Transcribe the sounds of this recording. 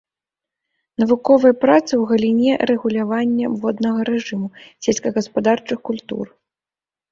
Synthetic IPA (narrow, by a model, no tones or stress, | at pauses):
nɐvukɔvɐjɐpɾat̪sɨwɣɐlʲinʲɛrɛɣulʲavanʲːɐvɔd̪nɐɣɐɾɛʐɨmusʲɛlʲsʲkɐɣɐspad̪art͡ʂɨxkulʲt̪ṵr